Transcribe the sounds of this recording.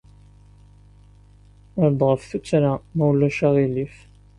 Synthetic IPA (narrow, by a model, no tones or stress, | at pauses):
əɾd̪ˤʁəfθut͡sːɾamæwlːæʃaʁilif